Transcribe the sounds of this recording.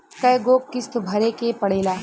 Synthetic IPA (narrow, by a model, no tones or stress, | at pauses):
kɐjɡoːkːɪst̪bʱɐɾekepɐɽeːlaː